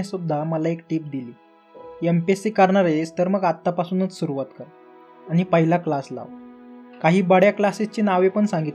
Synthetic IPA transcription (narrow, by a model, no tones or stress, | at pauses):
asud̪ʱːaməlaekʈiːp̚d̪iliː | empesikəɾɳaɾest̪əɾməɡat̪ːapasuːnət͡ssuɾuʋat̪kəɾ | añipəɦilaklasla̰ʋkaɦiːbəɽjaklasist͡ɕiːnaʋepəɳsãŋɡit̪